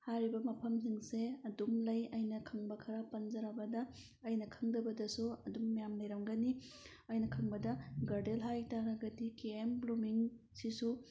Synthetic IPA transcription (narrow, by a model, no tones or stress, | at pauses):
haɾibɐmɐpʰɐms̬iŋseɐdumlɐjɐjnɐkʰɐŋbɐkʰɐɾapɐnzɐɾabɐdɐː | jnɐkʰɐŋdɐbɐdɐsuɐdumːijamlɐjɾɐmɡɐni | ɐjnɐkʰɐŋbɐdɐɡɐɾdelɦajtaɾɐɡɐdikeemblumiŋ | sisu